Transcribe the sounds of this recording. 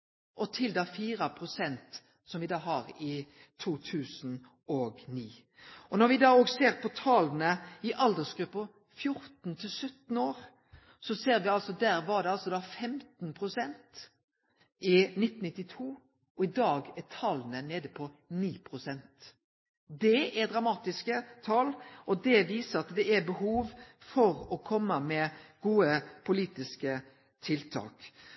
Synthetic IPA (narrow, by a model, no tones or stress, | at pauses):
ʔɔt̪ʰɪld̪ɑfiːɾɑpʰʁʊsɛnt̪ | sɔmʋɪd̪ɑːɦɑɾɪ | t̪ʰuːt̪ʰʉːsn̩ | ɔɡniː | ʔɔnɔɾʋɪd̪ɑːoːɡseːɾpʰɔt̪ʰɑːlnəɪʔɑld̪əsɡɾʉpːə | fjʊɾt̪n̩t̪ʰɪlsœt̪n̩oːɾ | sɔseːɾʋɪɑlsɔd̪æɾʋɑɖ̪ɛɑlsɔd̪ɑːfɛmt̪n̩pʰʁʊsɛnt̪ | ɪnɪt̪ːn̩nɪt̪ːɪt̪ʰuː | ɔɪd̪ɑːɡɛt̪ʰɑlənəneːd̪əpʰɔniːpʰɾʊsɛnt̪ | d̪ɛɛɾd̪ɾɑmɑːt̪ɪskət̪ʰɑlʔɔd̪ɛʋiːsəɾɑt̪d̪ɛæɾbəɦuːʋfɔɾɔkʰɔmːəmɛɡ̥uːəpʰʊliːt̪ɪskə | t̪ʰɪlt̪ʰɑ̰ːk